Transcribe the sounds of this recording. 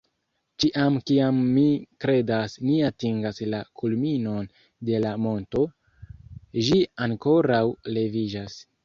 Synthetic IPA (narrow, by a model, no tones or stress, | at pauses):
t͡ʃiʔamkiamːikɾe̞dasniatiŋɡaslakulmino̞n | de̞lamo̞nto̞ | ʒiaŋko̞ɾawle̞vid͡ʒas